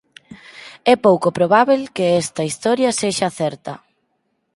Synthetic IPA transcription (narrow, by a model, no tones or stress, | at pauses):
ɛpowkopɾoβaβelkeɛst̪ɐist̪ɔɾjɐseʃaθɛɾt̪ɐ